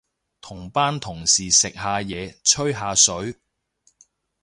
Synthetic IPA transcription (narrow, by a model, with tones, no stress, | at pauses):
t̪ʰʊ˨˩ŋpaː˥nt̪ʰʊ˨˩ŋsiː˨sɪ˨k̚ɦaː˨˧jɛː˨˧t͡ʃʰɵ˥ɥɦaː˨˧sɵ˨˥ɥ